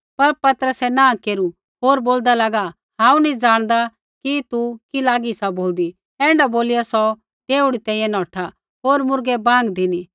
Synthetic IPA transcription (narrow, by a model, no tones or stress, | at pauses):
pɐɾpɐt̪əɾəsɛnãːkeːɾu | ɦoːɾboːld̪alaːɡa | hãːũnĩd͡zaːɽ̃d̪a | kit̪ukilaːɡisaboːld̪i | ɛ̃ːɳɖaboːlijasɔ | ʈeːuɽit̪ɛ̃ːĩjɛ̃nɔ̃ːʈʰa | ɦoːɾmʊɾɡɛbãːŋɡd̪ɪni